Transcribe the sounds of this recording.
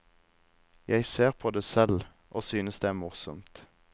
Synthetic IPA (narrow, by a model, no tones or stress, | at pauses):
jʔæɪseːʁpʰoːd̪eːsɛl | ʔoːsyːnəsd̪eːæːʁmʊʁsɔmt̪